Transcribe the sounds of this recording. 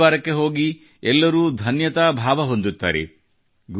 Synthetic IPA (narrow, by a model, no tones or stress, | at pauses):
aːɾɐkːe̞ɦo̞ːɡi | ɛlːɐɾuːd̪ʱɐnjɐt̪aːbʱaːʋɐɦond̪ut̪ːa̰ːɾḛ | ɡ